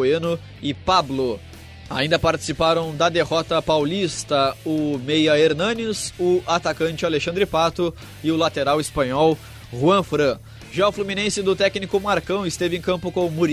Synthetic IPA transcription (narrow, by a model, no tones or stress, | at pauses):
enʊ | ɪpablʊ | a̰ĩd̪ɐpaɾt͡ʃɪ̥sipaɾɐ̃w̃d̪ɐd̪eɦɔt̪ɐpawlist̪ɐʊmejɐeɾnɐ̃nisʊat̪akɐ̃nt͡ʃɪaleʃɐ̃nd̪ɾɪpat̪ʊ | ɪʊlat̪eɾawɪspɐ̃ɲɔw | huɐ̃fɾɐ̃ | ʒawflumĩnẽsɪd̪ʊt̪ɛknikʊmaɾkɐ̃w̃ɪst̪evɪẽkɐ̃mpʊkõmuɾ